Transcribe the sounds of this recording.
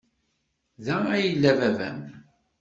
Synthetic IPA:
ðææjəlːævævæ̰m

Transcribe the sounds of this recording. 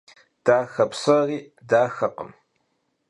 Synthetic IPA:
d̥aːxɐpsɐriː | daːxɐqə̰m

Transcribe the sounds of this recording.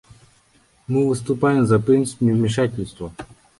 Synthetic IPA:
mɨvɨst̪ʊpajɪmzɐpɾɨnt̪sɨ̥pʲnʲuvmʲiʂatʲɪlʲst̪ʋɐ

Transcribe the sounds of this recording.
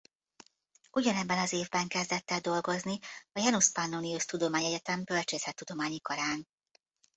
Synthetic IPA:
uɟɒnɛbːɛnɒzeːvbɛŋkɛzd̪ɛt̪ːɛd̪o̞lɡo̞zniɒjɛnuspanːoniuʃt̪ud̪o̞maːɲɛɟɛt̪ɛmbølt͡ʃeːzɛt̪ːud̪o̞maːɲikɒɾaːn

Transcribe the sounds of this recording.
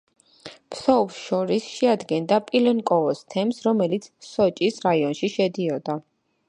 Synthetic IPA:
pʰsɔvsʃɔɾisʃɛad̪ɡɛnd̪apʼilɛnkʼɔɔst̪ʰɛmsɾɔmɛlit̪sʰsɔt͡ʃʼisɾaiɔnʃiʃɛd̪iɔd̪a

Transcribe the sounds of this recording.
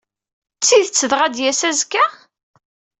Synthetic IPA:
t͡sːiðət͡sːəðʁæd̪jæsæzkæ

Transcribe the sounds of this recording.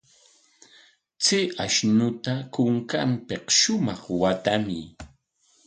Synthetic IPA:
t͡sɪʔaʃnʊt̪akʊŋkampeqʃʊmɑχwat̪amɪ̰

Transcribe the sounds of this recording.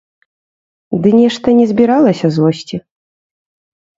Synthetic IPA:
d̪ɨnʲɛʂt̪ɐnʲɛzʲbʲiɾalˠɐsʲɐzlˠɔsʲt͡sʲi

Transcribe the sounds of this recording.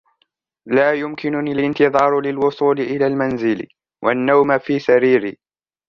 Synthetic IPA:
laːjʊmkɪnʊniːlʔɪnt̪ɨðˤɑːɾˤʊlɪlwʊsˤuːlɪʔɪlaːlmanzɪl | wʔa̰nːawmafiːsaɾiːɾḭː

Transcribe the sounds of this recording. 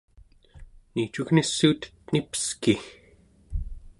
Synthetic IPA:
niːt͡ʃuɣnisːuːt̪ | nipə̥ski

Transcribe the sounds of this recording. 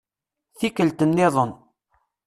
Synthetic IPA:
θikəlt̪ənːɪðˤən

